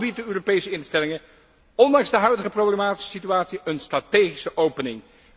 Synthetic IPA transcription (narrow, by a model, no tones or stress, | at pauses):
bit̚dəøːropejsəɪnstɛlɪŋə | ɔndɑŋzdəɦœɥdəχəprowblemaːti̥sə̥sityaːtsiənstratejχisəʔowpənɪŋ